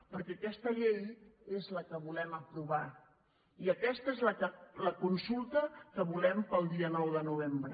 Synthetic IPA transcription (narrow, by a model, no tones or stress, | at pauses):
pəɾkɛəkɛst̪əʎejezləkəβulɛməpɾuβ̞a | iəkɛst̪əezləələkunsulˠt̪əkəβulɛmpəlˠd̪iənɔwðənuβ̞embɾə